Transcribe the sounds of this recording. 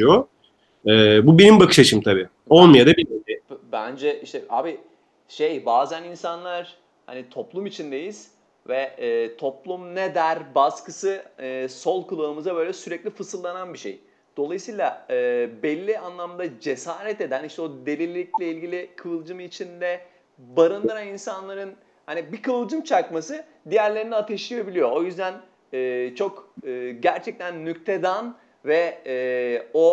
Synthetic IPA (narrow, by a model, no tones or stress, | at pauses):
t͡ʃijo | ɛːbubenimbakɯ̥ʃat͡ʃʰɯmt̪ʰabiː | o̞lˠmajad̪abimiɪbænd͡ʒɛʔiʃt̪ɛʔa̰ːbi | ʃejbaːzæninsanlˠaɾ̥ | ha̰nit̪ʰo̞plˠumit͡ʃʰind̪e̞jiz̥ | vɛɛːt̪ʰo̞plˠumned̪æɾbaskɯsɯɯːso̞lˠkulˠaːmɯzabø̞ːlʲɛsyɾɛclʲifɯsɯlˠːananbiʃḛj | d̪̥o̞lˠajɯsiːlˠaɯːbɛlʲːianlˠamd̪ad͡ʒesaːɾɛt̪e̞d̪æniʃt̪ɛod̪e̞lʲilʲiclʲɛilʲɟilʲikʰɯɯlˠd͡ʒɯmit͡ʃʰind̪ɛ | baɾɯnd̪ɯɾaninsanlˠaɾɯn | hanibikɯɯlˠd͡ʒɯmt͡ʃʰakmasɯ | d̪ijæɾlʲe̞ɾiniat̪ʰeʃlɯjebilʲijoojyzd̪æn | ɯːt͡ʃʰo̞kɯːɟæɾt͡ʃʰɛc̚t̪ʰænːyc̚t̪ʰed̪an | vɛɛːo